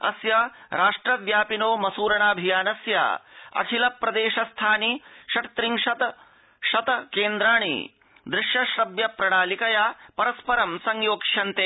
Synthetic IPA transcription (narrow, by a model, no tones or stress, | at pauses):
ɐ̰sjɐɾaːʂʈɾɐʋjaːpinoːmɐsuːɾɐɳaːbʱijaːnɐsja̰ːɐ̰kʰilɐpɾɐd̪eːʃɐst̪ʰaːniʃɐʈt̪ɾiŋʃɐt̪ɐ | ʃɐt̪ɐkeːnd̪ɾaːɳḭ | d̪ɾɪʃjɐʃɾɐbjɐpɾɐɽaːlikɐjaːpɐɾɐspɐɾɐmsɐŋjoːkʂɐnt̪e